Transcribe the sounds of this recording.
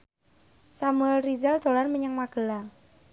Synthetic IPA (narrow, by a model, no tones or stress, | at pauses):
samuɛlrizɛld̪̥o̤lanməɲaŋmaɡ̥ə̤la